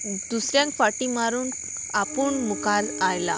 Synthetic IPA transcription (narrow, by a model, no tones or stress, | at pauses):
d̪usɾjãŋkfaʈimaɾuːn | apuːɳmukalajla̰